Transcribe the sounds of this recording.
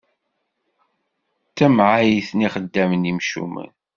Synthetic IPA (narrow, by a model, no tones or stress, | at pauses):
t͡sːæmʕajiθniχəd̪ːæmnimʃṵmə̰n